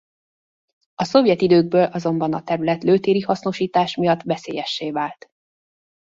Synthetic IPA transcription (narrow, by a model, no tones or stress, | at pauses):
ɒso̞vjɛt̪id̪øːɡ̚bøːlʔɒzo̞mbɒnɒt̪ɛɾylɛt̪løːt̪eːɾihɒsno̞ʃiːt̪aːʃmijɒt̪ːʋɛseːjɛʃːeːvaːlt̪